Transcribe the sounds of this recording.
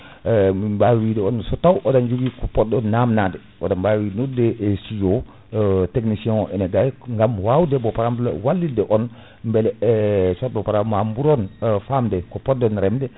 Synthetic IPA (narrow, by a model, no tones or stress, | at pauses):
mibawidɛonsotawʔodand͡ʒuɡikupɔt̚donːamnade | odambawinudeʔsid͡ʒo | teknisiɛ̃ʔɛneɡajŋɡamwawudebopaɾambla̰walːidɛʔɔn | mbɛlɛsot̚bɔpaɾamambuɾonfamdekupot̚donɾɛmdɛ